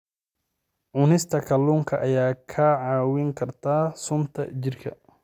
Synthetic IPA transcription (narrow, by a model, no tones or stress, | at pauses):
ʕʊnɪst̪ʰɐkʰɐluːŋkʰɐʔɐjaːkʰɐʕɑːwɪŋkʰɐrt̪ʰaːsʊnt̪ʰɐ̰t͡ʃɪrkʰɐ̰